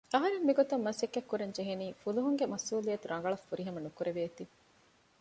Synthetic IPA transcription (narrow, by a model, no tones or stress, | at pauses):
ɐɦɐɾemːiɡot̪ɐmːɐsekːɐkːuɾɐɲd͡ʒeɦeniːfuluɦuŋɡemɐsuːlijɐt̪uɾɐŋ̆ɡɐɭɐfːuɾiɦɐmɐnukuɾeʋeːt̪i